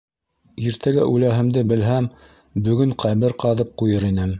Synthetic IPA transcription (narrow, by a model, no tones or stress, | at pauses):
iɾt̪ʰæɡæʔʉlæɦɘ̆md̪ɘbɘ̆lɦæm | bɵ̆ɡɵɴqʰæβɘɾqɑðɤp̚qujɤɾinɘm